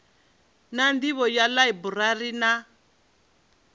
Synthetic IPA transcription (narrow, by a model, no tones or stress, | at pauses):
nandiβɔjalaibuɾaɾina